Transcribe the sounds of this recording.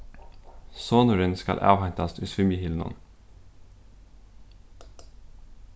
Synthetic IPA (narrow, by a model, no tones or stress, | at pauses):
soːnʊɾənskɑ̰lʔɑ̰ːʋhɑɪt̪ɑst̪ʰʉsʋʏmɪhɪlnɔ̰n